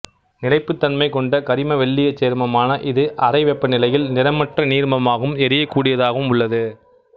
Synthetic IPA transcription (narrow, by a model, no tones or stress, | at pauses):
nɪlɐɪpːɯt̪ːɐnmɐɪkɔɳɖɐkɐɾɪmɐʋɛɭːɪjɐt͡ʃːeːɾmɐmaːnɐʔɪðɯʔɐɾɐɪʋɛpːɐnɪlɐjɪlnɪɾɐmɐʈrɐniːɾmɐmaːɣɯmɛɾɪjɐkːuːɽɪjɐðaːɣɯmʊɭːɐðɯ